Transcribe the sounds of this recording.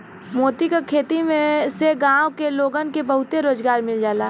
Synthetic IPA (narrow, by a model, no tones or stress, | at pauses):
moːt̪ikakʰeːt̪imẽseɡãːwkeloːɡənkebəɦʊt̪eɾoːd͡ʒɡaːɾmɪld͡ʒaːlaː